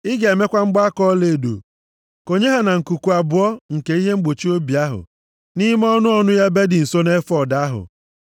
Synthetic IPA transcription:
ɪ˦ɡa˨e˨me˦kʷa˦ŋ͡m̩˦ɡ͡ba˦a˦kɔ˦le˨do̰˨ | ko˨ɲe˦ɦa˨na˨ŋ̩˨ku˨ku˨a˨bʊ˨ɔ˦ŋ̩˨ke˨i˦ɦe˦ŋ͡m̩˦ɡ͡bo˨t͡ʃi˦o˦bi˨a˦ɦʊ̰˨ | ni˦m˦ɔ˦nʊ˦ɔ˦nʊ˦ja˦be˦dɪ˨n̩˨so˦ne˦fɔ˦˨da˨a˦ɦʊ̰˨

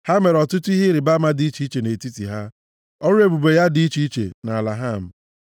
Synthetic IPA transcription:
ha˦me˨ɾɔ˨tʊ˦tʊ˦i˦ɦɪ˦ɾɪ˨ba˦ma˦dɪ˨˦i˦t͡ʃi˨˦i˦t͡ʃe˨ne˨ti˦tḭ˨ɦa˦ | ɔ˦ɾe˨bu˨be˨ja˦di˨˦i˦t͡ʃi˦i˦t͡ʃḛ˨na˨la˨ɦa˦˨m̩˨

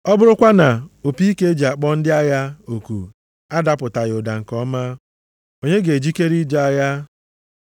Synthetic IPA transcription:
ɔ˦bʊ˦ɾʊ˦kʷa˦na˨o˨pi˦ke˦e˦d͡ʒi˨a˨k͡pɔ˦n̩˦dɪ˦a˦ja˦o˨kṵ˨ | a˦da˦pʊ˨ta˨ɣɪ˨ʊ˨da˨ŋ̩˨kɔ˦ma˦ | o˨ɲe˦ɡe˨d͡ʒi˦ke˦ɾi˦d͡ʒa˦a˦ja˦

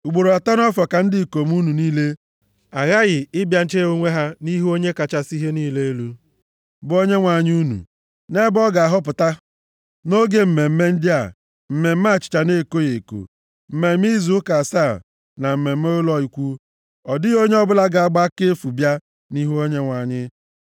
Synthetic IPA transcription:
ʊ˨ɡ͡bo˨ɾo˨a˨ta˦n˦ɔ˦fɔ˨ka˨n̩˦dɪ˦˨ko˨m˦u˦nu˨niː˦le˦ | a˨ɣa˦ɣɪ˨ɪ˦bja˨n̩˦t͡ʃe˦u˦ŋʷe˦ɦa˦ni˦ɦu˦o˦ɲe˦ka˨t͡ʃa˦si˦ɦe˦niː˦le˦e˦lu˦ | bʊ˨˦o˦ɲe˦ŋʷa˨ɲ˦u˦nṵ˨ | ne˦bɔ˦ɡa˨a˨ɦʊ˦p̬ʊ˨ta˦ | no˦ɡe˦m̩˨me˨m̩˦me˦n̩˦dɪ˦a̰˨ | m̩˨me˨m̩˦a˦˨t͡ʃɪ̥˨t͡ʃa˨ne˦˨ko˦je˨ko̰˨ | m̩˨me˨m̩˦i˦zu˨˦ʊ˦ka˨sa˦˨ | na˨m̩˨me˨m̩˦o˦lɔ˦i˨kʷu˦ | ɔ˨dɪ˦ɣo˦ɲe˦ɔ˦bʊ˦la˦ɡa˨a˦ɡ͡ba˦ke˦fu˨bja˦ | ni˦ɦo˦ɲe˦ŋʷa˨ɲɪ˦

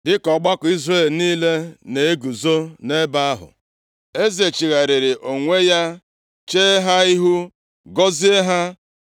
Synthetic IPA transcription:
dɪ˦kɔ˨ɡ͡ba˦kʊ˨i˦zre˦˨lniː˦le˦ne˨e˦ɡu˨zo˦ne˦ba˦a˦ɦʊ̰˨ | e˦ze˨t͡ʃi˨ɣa˨ɾɪ˨ɾɪ˨ʔo˨ŋʷe˦ja˦ | t͡ʃe˦ɦa˦i˦ɦu˦ | ɡɔ˦zi˦e˦ɦa˦

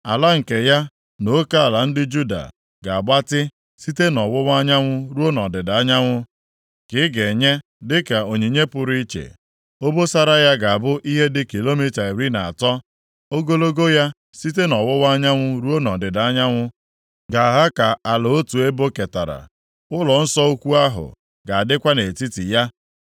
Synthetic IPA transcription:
a˨la˦ŋ̩˨ke˨ja˦ | no˨˦ka˦a˨la˨n̩˦dɪ˦d͡ʒu˦da̰˨ | ɡa˨a˨ɡ͡ba˦tɪ˦ | si˦te˦nɔ˨wʊ˦wa˦ɲa˦ŋʷʊ˦ɾu˦o˦nɔ˨dɪ˨da˨a˦ɲa˦ŋʷʊ˦ | kɪ˦ɡe˨ɲe˦ | dɪ˦ka˨o˨ɲi˨ɲe˦pʊ˨ɾi˦t͡ʃḛ˨ | o˦bo˦sa˦ɾa˦ja˦ɡa˨a˨bʊ˦ʔi˦ɦe˦dɪ˦ki˨lo˦mi˦ta˨i˨ɾi˦na˨a˨tɔ˦ | o˦ɡo˦lo˦ɡo˦ja˦ | si˦te˦nɔ˨wʊ˦wa˦ɲa˦ŋʷʊ˦ɾu˦o˦nɔ˨dɪ˨da˨a˦ɲa˦ŋʷʊ˦ | ɡa˨a˨ɦa˦ka˨a˨lʊ˨o˦tu˨e˦bo˦ke˨ta̰˨ɾa̰˨ | ʊ˦lɔ˨n̩˦sɔ˦u˦kʷu˦a˦ɦʊ̰˨ | ɡa˨a˨dɪ˦kʷa˦ne˨ti˦ti˨ja˦

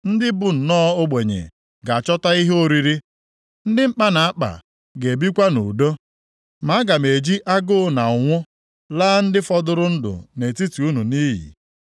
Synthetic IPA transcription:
n̩˦dɪ˦bʊ˨n̩˨nɔː˦o˦ɡ͡be˨ɲḛ˨ | ɡa˨a˨t͡ʃɔ˦ta˦i˦ɦo˦ɾi˨ɾi˦ | n̩˦dɪ˦ŋ͡m̩˦k͡pa˦na˨a˦k͡pa̰˨ | ɡe˨bi˦kʷa˦nṵ˨do˦ | ma˨˦ɡa˨me˨d͡ʒi˦ʔa˦ɡʊ˦na˨ʊ˨ŋʷʊ˦ | laː˦n̩˦dɪ˦fɔ˦dʊ˦ɾʊ˦n̩˦dʊ̰˨ne˨ti˦ti˨u˦nu˨niː˦ɦḭ˨

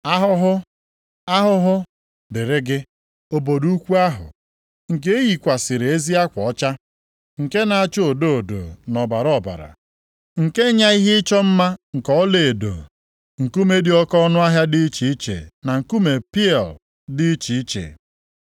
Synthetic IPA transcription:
a˦ɦʊ˦ɦʊ˦ | a˦ɦʊ˦ɦʊ˦ | bɪ˨ɾɪ˦ɡɪ˦ | o˨bo˨du˦kʷu˦a˦ɦʊ̰˨ | ŋ̩˨ke˦e˦ji˨kʷa˨sɪ˨ɾe˨e˦zi˦a˦kʷɔ˨˦t͡ʃa˦ | ŋ̩˨ke˦na˨a˦t͡ʃo˦o˨do˦o˨do̰˨nɔ˨ba˨ɾɔ˦˨ba̰˨ɾa̰˨ | ŋ̩˨ke˦ɲa˦i˦ɦɪ˦ɪ˦t͡ʃɔ˦m̩˦ma˦ŋ̩˨kɔ˦le˨e˨do̰˨ | ŋ̩˨ku˦me˦di˨˦ɔ˦kɔ˦ɔ˦nʊ˦a˦ɦja˦dɪ˦i˦t͡ʃi˨i˦t͡ʃḛ˨na˨ŋ̩˨ku˦me˨pi˦ɛ˨l | dɪ˦t͡ʃi˨i˦t͡ʃḛ˨

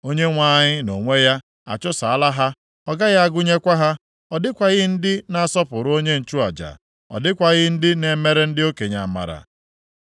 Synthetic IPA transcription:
o˦ɲe˦ŋʷa˦˨ɲɪ˦no˨ŋʷe˦ja˦ | a̰˨t͡ʃʊ˦sa˨a˦la˦ɦa˦ | ɔ˦ɡa˦ɣa˦a˦ɡʊ˦ɲe˦kʷa˦ɦa˦ | ɔ˨dɪ˦kʷa˨ɣɪ˦n̩˦dɪ˦na˦˨sɔ˦pʊ˨ɾʊ˨˦o˦ɲe˦n̩˨t͡ʃu˦a̰˨d͡ʒa̰˨ | ɔ̰˨dɪ˦kʷa˨ɣɪ˦n̩˦dɪ˦ne˨me˦ɾe˦n̩˦dɪ˦o˦ke˨ɲa̰˨ma̰˨ɾa̰˨

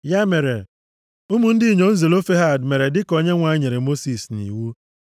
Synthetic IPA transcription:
ja˦me˨ɾe˨ | u˦mu˨n̩˦dɪ˦i˨ɲo˨n̩˦ze˨lo˦fe˦ɦa˦˨dme˨ɾe˨dɪ˦ko˨ɲe˦ŋʷa˨˦ɲe˨ɾe˨mo˦si˨snḭ˨wu˦

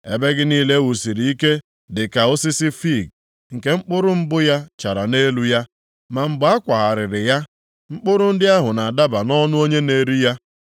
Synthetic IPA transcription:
ḛ˦be˦ɡɪ˦niː˦le˦wu˨si˨ɾi˨i˦ke˦ | dɪ˨ka˨o˦sɪ˦sɪ˦fi˦˨ɡ̚ | ŋ̩˨ke˦ŋ͡m̩˦k͡pʊ˦ɾʊ˦m̩˦bʊ˦ja˦t͡ʃa˨ɾa˨ne˦lu˦ja˦ | ma˨ŋ͡m̩˨ɡ͡ba˨˦a˦kʷa˨ɣa˨ɾɪ˨ɾɪ˨ja˦ | ŋ͡m̩˦k͡pʊ˦ɾʊ˦n̩˦dɪ˦a˦ɦʊ˨na˨a˨da˦ba˨nɔ˦nʊ˦o˦ɲe˦ne˨ɾi˦ja˦

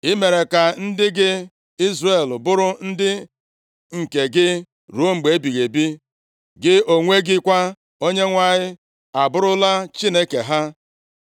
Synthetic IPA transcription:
ɪ˦me˨ɾe˨ka˨n̩˦dɪ˦ɡɪ˦ | i˦zre˨lbʊ˦ɾʊ˦n̩˦dɪ˦ | ŋ̩˨ke˨ɡɪ˦ | ɾu˨˦o˦ŋ͡m̩˨ɡ͡be˨e˦bi˨ɣe˨bi˦ | ɡɪ˦o˨ŋʷe˦ɡɪ˦kʷa˦ | o˦ɲe˦ŋʷa˦ɲɪ˦ | a˨bʊ˦ɾʊ˦la˦t͡ʃi˦ne˦ke˨ɦa˦

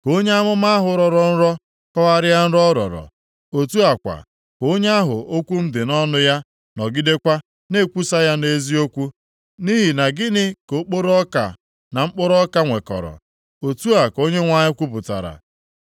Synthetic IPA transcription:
ko˦ɲe˦a˦mʊ˦ma˦a˦ɦʊ˨ɾɔ˨ɾɔ˨n̩˦ɾɔ˦ | kɔ˦ɣa˦ɾɪ˦ja˦n̩˦ɾɔ˦ɾɔ̰˨ɾɔ̰˨ | o˨tu˦a˨kʷa̰˨ | ko˦ɲe˦a˦ɦʊ̰˨o˦kʷu˦m̩˦dɪ˨nɔ˦nʊ˦ja˦ | nɔ˨ɡɪ˦de˦kʷa˦ | ne˦˨kʷu˦sa˦ja˦ne˦zi˦o˦kʷu˦ | ni˦ɦi˨na˨ɡɪ˦nɪ˦ko˨k͡po˦ɾɔ˦ka̰˨ | na˨ŋ͡m̩˦k͡pʊ˦ɾɔ˦ka˦ŋʷe˨kɔ̰˨ɾɔ̰˨ | o˨tu˦a˨ko˦ɲe˦ŋʷa˦ɲɪ˦kʷu˦pʊ˨ta̰˨ɾa̰˨

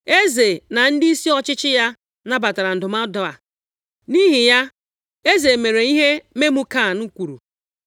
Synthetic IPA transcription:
e˦ze˨na˨n̩˦di˦si˦ɔ˦t͡ʃɪ˦t͡ʃɪ˦ja˦ | na˦ba˨ta˨ɾa˨n̩˨dʊ˨ma˦dɔ˦a˨ | ni˦ɦi˨ja˦ | e˦ze˨me˨ɾe˨i˦ɦe˦me˦mu˦ka˦˨n̩˦kʷu˨ɾṵ˨

